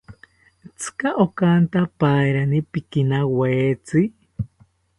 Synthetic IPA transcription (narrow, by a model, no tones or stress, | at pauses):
t͡sʰɨ̥kaʔokant̪apaiɾanipikinaweːt͡si